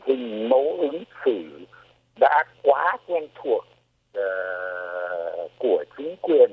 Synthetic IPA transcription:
hï˨˩ŋ̟mə˨˦wʔɨ˨˦ŋsɨ˧˩ | ɗa̰ː˧˥kwaː˨˦kwɛ˧nt̪ʰu˨˩ək̚ː | ku˧˩ət͡ɕï˨˦ŋ̟kwi˨˩ən

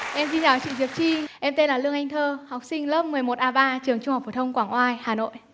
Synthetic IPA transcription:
ʔɛ˧msi˧nt͡ɕa˨˩˦t͡ɕḭ˧˨˩zi˨˩ət͡ɕi˧ʔɛ˧mt̪e˧nlaː˨˩lɨ˧əŋʔa˧jŋ̟t̪ʰəː˧ha˨˩k͡p̚sï˧ŋ̟ləː˦˥p̚mɨ˨˩əjmo˨˩t̚ʔaː˧ɓaː˧t͡ɕɨ˨˩əŋt͡ɕʊ˧ŋ͡mhk͡p̚fo˨˩t̪ʰə˧wŋ͡mkwaː˧˩ŋʔwaː˧jhaː˨˩no̰˧˨jʔ

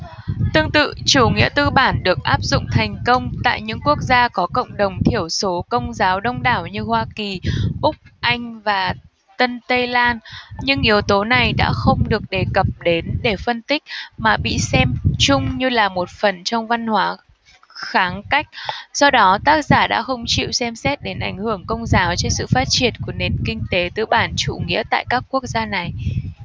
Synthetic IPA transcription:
t̪ɨ˧əŋt̪ɨ̰˧˨t͡ɕu˧˩ŋḭ˧˥ət̪ɨ˧ɓaː˧˩nɗɨ˨˩ək̚ʔaː˦˥p̚zʊ̰˧˨ŋ͡mt̪ʰɛ˨˩jŋ̟kə˧wŋ͡mt̪a̰ː˧˨jɲɨ̰˧˥ŋku˦˥ək̚zaː˧kɔ˨˦kə̰˧˨wŋ͡mɗə˨˩wŋ͡mt̪ʰi˧˩əwso˨˦kə˧wŋ͡mzaː˨˦wɗə˧wŋ͡mɗaː˧˩wɲɨ˧hwaː˧ki˨˩ʔʊ˦˥k͡p̚ʔa˧jŋ̟vaː˨˩ | t̪ə˧nt̪ə˧jlaː˧nɲɨ˧ŋʔi˨˦əwt̪o˨˦na˨˩jɗa̰ː˧˥xə˧wŋ͡mɗɨ˨˩ək̚ɗe˨˩kə˨˩p̚ɗe˨˦nɗe˧˩fə˧nt̪ï˦˥k̟̚maː˨˩ɓḭ˧˨sɛ˧mt͡ɕʊ˧ŋ͡mɲɨ˧laː˨˩mo˨˩t̚fə˨˩nt͡ɕɔ˧wŋ͡mva˧nhwaː˨˦ | xaː˨˦ŋka˦˥jk̟̚sɔ˧wɗɔ˨˦t̪aː˦˥k̚zaː˧˩ɗa̰ː˧˥xə˧wŋ͡mt͡ɕḭ˧˨wsɛ˧msɛ˦˥t̚ɗe˨˦nʔa˧˩jŋ̟hɨ˧˩əŋkə˧wŋ͡mzaː˨˦wt͡ɕe˧nsɨ̰˧˨faː˦˥t̚t͡ɕi˧˩ənku˧˩əne˨˩nkï˧ŋ̟t̪e˨˦t̪ɨ̰˧˩ɓaː˧˩nt͡ɕṵ˧˩ŋḭ˧˥ət̪a̰ː˧˨jkaː˦˥kːu˦˥ək̚zaː˧na˨˩j

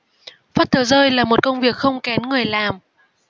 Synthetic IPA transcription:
faː˦˥t̚t̪ʰəː˨˦zəː˧jlaː˨˩mo˨˩t̚kə˧wŋ͡mvi˨˩ək̚xə˧wŋ͡mkɛ˨˦nŋɨ˨˩əjlaː˨˩m

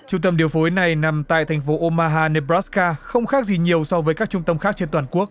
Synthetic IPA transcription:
t͡ɕʊ˧ŋ͡mt̪ə˧mɗi˨˩əwfo˨˦jna˨˩jna˨˩mt̪a̰ː˧˨jt̪ʰa˨˩jŋ̟fo˨˦ʔo˧maː˧ɦaː˧ne˧˩bɾaː˦˥skaː˧xə˧wŋ͡mxaː˦˥k̚zi˨˩ɲi˨˩əwsɔ˧vəː˨˦jkaː˦˥k̚t͡ɕʊ˧ŋ͡mt̪ə˧mxaː˦˥k̚t͡ɕe˧nt̪waː˧˨˩nku˦˥ək̚

